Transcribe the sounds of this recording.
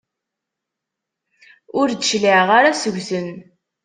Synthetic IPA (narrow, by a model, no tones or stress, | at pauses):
ʊɾd̪əʃliʕʁaɾasəʝʷθən